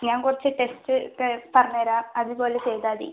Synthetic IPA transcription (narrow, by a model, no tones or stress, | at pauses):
ɲaːŋkurɐt͡ɕːɨʈe̞stɨkːepɐrɐɲːɐːɾaːɐðɨpo̞ːlet͡ɕe̞jt̪aːðḭ